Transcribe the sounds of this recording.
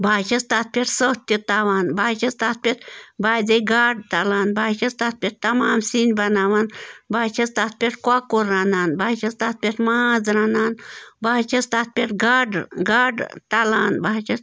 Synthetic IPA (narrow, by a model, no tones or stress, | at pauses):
bʱaːt͡ʃɐst̪at̪̚pʲeʈsət̪it̪aʋaːnbaːt͡ʃɐst̪at̪̚pʲet̪baːd͡zejɡaːɖt̪ɐlaːnbʱaːt͡ʃɐst̪at̪̚pʲeʈ̚t̪ɐmaːmsinʲbɐnaːʋanbaːt͡ʃɐst̪at̪̚pʲeʈkakoɾːanaːnbʱaːt͡ʃɐst̪at̪̚pʲeʈmad͡zɾaːnaːnbaːt͡ʃɐst̪at̪̚pʲeʈɡaɖɡaːɖt̪alaːnbʱaːt͡ʃɐs